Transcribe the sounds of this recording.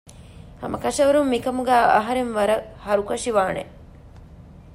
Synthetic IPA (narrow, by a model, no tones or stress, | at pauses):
hɐ̰mʔɐkɐʂɐʋɐɾumːikɐmuɡæːɐ̰ɦɐɾenʋɐɾɐhɐɾukɐʂiʋaːnḛ